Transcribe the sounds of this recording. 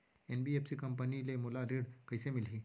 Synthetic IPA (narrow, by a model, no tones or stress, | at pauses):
enbiepsikəmpənilemolaɾeɽkəjsemɪlɦiː